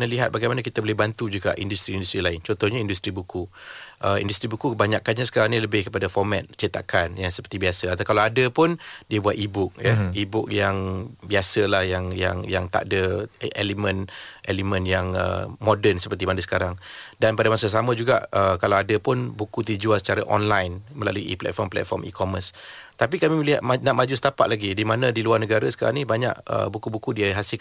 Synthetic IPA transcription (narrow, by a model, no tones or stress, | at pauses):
nəliɦat̪̚baɡajmanəkit̪əbolɛhbant̪ud͡ʒuɡa̰ʔḭndust̪ɾiːndust̪ɾilaɪnt͡ʃɔnt̪ɔhɲaindust̪ɾibukuʔəḭndust̪ɾibukukəbaɲaʔkanɲasə̥kaɾaŋniləbɪhkəpadafɔrmɛt̪̚t͡ʃit̪a̰kanjaŋsəpərt̪ibiasəat̪akalaadəpʊndiəbuat̪ibʊk̚jəibʊk̚jaŋbiasəlahjaŋja̰ŋjaŋt̪a̰ʔdəʔelimə̃nʔelimə̃njaŋə̰mɔdənsəpərt̪imadəsə̥kaɾaŋdanpadamasas̬amə̃d͡ʒuɡa̰ʔəkalawadəpʊnbukut̪̬id͡ʒuasə̥t͡ʃaɾaʔɔ̰nlajnməla̰luiʔḭplɛ̰t̪̚fɔrmplɛ̰t̪̚fɔrmḭkɔməs | t̪apikamiməliɦat̪̚naʔmad͡ʒusə̥t̪apaʔ̪̚laɡidimanə̃diluarnəɡaɾəsə̥kaɾa̰ŋnibaɲa̰ʔə̰bukubukudiəɦasɪl